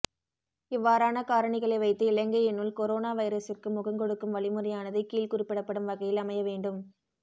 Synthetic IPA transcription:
ɪʋːaːɾaːnɐkaːɾɐɳɪɣɐɭɐɪʋɐɪt̪ːɯɪlɐŋɡɐɛnːɯlkɔɾoːnaːʋɐɪɾɐsɪrkɯmʊɣɐŋɡɔɽɯkːɯmʋɐɭɪmɯɾɐjaːnɐðɐɪkːiːlkʊɾɪpːɪɽɐpːɐɽɯmʋɐɣɐjɪlɐmɐjɐʋeːɳɖɯm

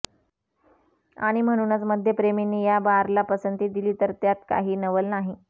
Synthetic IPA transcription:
a̰ɽ̃im̤əɽ̃uːnət͡sməd̪ʱjepɾeminːiːjabaɾlapəsənt̪iːd̪iliːt̪əɾt̪jat̪ka̰ɦiːnəʋəlnaɦi

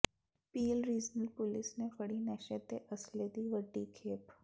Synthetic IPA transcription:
piːlɾiːd͡ʒnəlpʊlɪsnepɐɽinɛːʃət̪eʔɐsled̪iʋəɖːikʰeːp

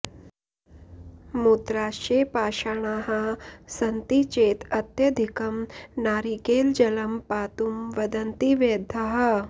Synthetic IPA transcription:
mut̪ɾaːʃeːpaːʃaːɳ̃aːɦɐsɐnt̪it͡ʃeːt̪ɐt̪jɐd̪ʱikɐmnaːɾikeːld͡ʒɐlɐmpaːt̪umʋɐd̪ɐnt̪iʋeːd̪ʱɐɦɐ̆

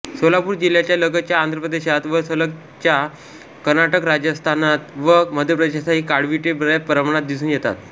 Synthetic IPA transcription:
solapuːɾd͡ʑil̤jat͡ɕjaləɡət͡ɕjaːnd̪ɾəpɾəd̪eɕat̪ʋəsələk̚ | t͡ɕja | kəɾnaʈəkɾad͡ʑəst̪ʰanat̪ʋəməd̪ʱjəpɾəd̪eɕasaɦiːkaɽʋiʈebəɭapəɾəmɳ̃at̪̚d̪isuːnjet̪a̰t̪

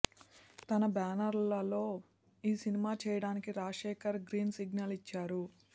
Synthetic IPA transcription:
t̪ɐnɐbaːnɐɾlɐlo̞ː | iːsinimaːt͡ʃɛːjɐɽaːnikiɾaːʂɛːkɐɾɡɾiːnsiɡnɐlit͡ʃːaːɾu

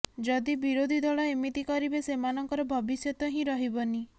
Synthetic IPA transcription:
d͡ʒɔd̪ibiɾod̪ʱid̪ʱɔɭɔemit̪ikɔɾibesemanɔŋkɔɾɔbʱɔbisjɔt̪ɔɦĩɾɔɦibɔni

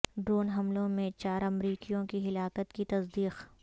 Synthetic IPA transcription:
ɖɾoːnɦɐmlõmẽt͡ʃaːɾɐmɾiːkijõkiɦɪlaːkət̪kit̪ɐsd̪iːq

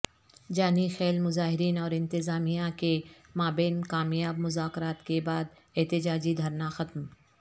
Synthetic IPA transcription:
d͡ʒaːnixɛːlmʊzaːɦɪɾiːnɔːɾɪ̃nt̪ɪzaːmijãke | maːbeːnkaːmijaːbmʊzaːkɾaːt̪kebaːd̪ | ɛɦt̪ɪd͡ʒaːd͡ʒid̪ʱɐɾnaxɐt̪m

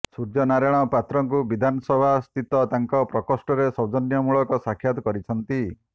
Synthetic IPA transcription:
suɾd͡ʒɔnaɾaɽ̃ɔpat̪ɾɔŋk̬ubid̪ʱanɔsɔbʱast̪it̪ɔt̪aŋkɔpɾɔkɔsʈɔɾesɔd͡ʒɔnjɔmuɭɔkɔsakʰjat̪ɔkɔɾit͡ʃʰɔnt̪i

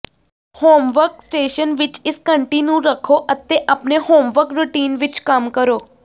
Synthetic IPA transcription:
hoːmʋəɾksʈeːʃənʋɪt͡ʃɪskəɳʈinjuɾəkʰoʔɐt̪ːeʔapnehoːmʋəɾkɾuʈiːnʋɪt͡ʃkamkəɾoː

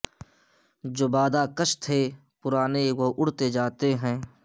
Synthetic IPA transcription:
d͡ʒoːbaːd̪akəʃt̪ʰe | pʊɾaːneʋoʔʊɽt̪ed͡ʒaːt̪eɦɛ̃ː

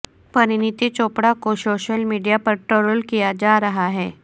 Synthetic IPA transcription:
pɐɾɪnɪt̪it͡ʃoːpɽakosoːʃəlmiːɖijapɐɾʈoːɾəlkijad͡ʒaːɾɐɦaɦɛː

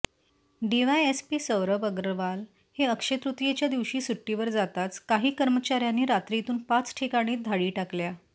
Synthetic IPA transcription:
ɖiʋajespiːsəwɾəbəɡɾəʋal | heəkʂet̪ɾut̪jet͡ɕjad̪iʋɕiːsuʈːiʋəɾd͡zat̪at͡skaɦiːkəɾmət͡ɕaɾjaniːɾat̪ɾit̪uːnpat͡sʈʰekaɽ̃iːd̪ʱaɽiːʈaklja

